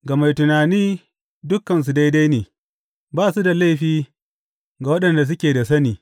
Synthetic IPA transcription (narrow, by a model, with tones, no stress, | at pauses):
ɡɐ˨ma˨jtʊ˨naː˨niː˦ | dʊ˦kːɐ˨ns̬u˨da˦jda˦jneː˨ | baː˦su˦da˨la˦jɸiː˦ | ɡa˨wɐ˦ɗɐ˨nda˨s̬ʊ˦kʲeː˨da˨s̬ɐ˦niː˨